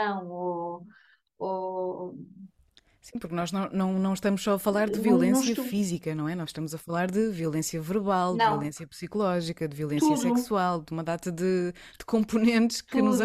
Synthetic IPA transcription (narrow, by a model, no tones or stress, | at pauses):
ɐ̃w̃o | o | sĩpuɾknɔʒnɐ̃w̃nɐ̃w̃nɐ̃w̃ʃt̪ɐmuʃsɔɐfɐlˠaɾd̪ɨviulˠẽsiɐfizikɐnɐ̃w̃ɛnɔz̥ʃt̪ɐmuzɐfɐlˠaɾðɨviulˠẽsjɐvɨɾβalˠd̪niulˠẽsjɐpsikulˠɔʒikɐd̪ɨviulˠẽsjɐsɛkssualˠd̪umɐðat̪ɐðɨd̪̥ɨ̥kõmpunẽnt̪ʃkɨnuz